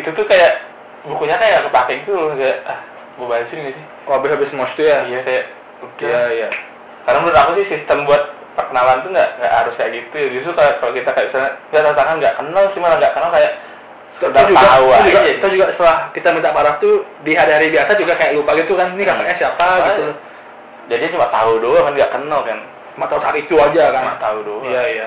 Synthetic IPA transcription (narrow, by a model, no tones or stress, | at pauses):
it̪ut̪ukajaʔ | bukuɲakajaŋɡaʔkəpakaŋt̪ukajaʔ | bəbasɪŋɡaʔsɪh | abɪɦabɪsmɔt͡ʃt̪ujaijakajaʔ | ukiaija | karnaməɾʊt̪apasɪhsist̪əmbuat̪̚ | pərkənalant̪uŋɡaʔŋɡa̰ʔhaɾʊskajaʔɡit̪uad͡ʒuukakalokit̪akajaʔbisaaŋɡaʔt̪aut̪aŋanɡaʔkənalsimalaŋɡaʔkənalkajaʔ | t̪dad͡ʒuaɡauaad͡ʒuɡat̪aud͡ʒuɡaʔsə̥t̪əlahkit̪amint̪aʔpaɾaht̪u | diɦaɾiɦaɾibiasad͡ʒuɡakajaʔlupaɡit̪ukannikakaɲasiapaɡt̪u | d͡ʒadiat͡ʃumaʔt̪audokanɡaʔkənalkan | t͡ʃumaʔt̪ausaat̪it̪uad͡ʒakamat̪audojaija